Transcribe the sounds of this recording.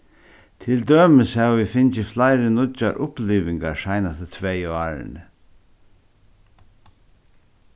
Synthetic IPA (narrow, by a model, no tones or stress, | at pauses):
t̪ʰɪld̪øːməshæʋʋifɪnt͡ʃɪflaɪɾɪnʊa̰ɾʔʊpliːʋɪŋkaɾʂaɪnast̪ət̪ʰvɛjaːɾɪ̰nə